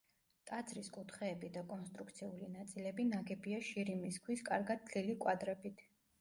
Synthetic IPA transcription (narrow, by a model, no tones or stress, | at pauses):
t̪ʼad̪zɾiskʼut̪ʰχɛːbid̪akʼɔnst̪ʼɾuk̚ʰt̪sʰiulinat̪sʼilɛbinaɡɛbiaʃiɾimiskʰwiskʼaɾɡad̪̚ʰlilikʼwad̪ɾɛbit̪ʰ